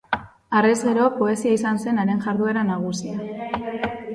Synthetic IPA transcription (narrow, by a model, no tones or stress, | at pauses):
arezɣeɾo̞po̞e̞siaisanse̞neɾe̞nʝaɾðue̞ɾanaɣ̞usia